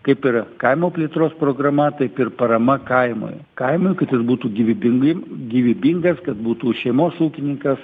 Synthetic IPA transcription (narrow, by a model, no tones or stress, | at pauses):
kɐɪpɪɾkɐɪmoːpʲlʲiːt̪ɾoːspɾoːɡɾɐmɐt̪ɐɪpɪɾpɐɾɐmɐkɐɪmo̰j | kɐɪmoːjkɐt̪jɪsbuːt̪uːɡʲiʋʲibʲɪɡɡʲiːʋʲibʲiŋɡɐskɐt̪buːt̪uːʃʲɛɪmoːsuːkʲɪnʲɪŋkɐs